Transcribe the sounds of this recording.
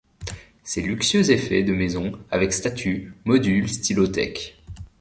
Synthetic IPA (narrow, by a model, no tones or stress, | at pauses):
sɛlyksjøzefɛ̰d̪əmezɔ̃avɛkst̪at̪ʰymɔd̪ylst̪ilɔt̪ɛ̰k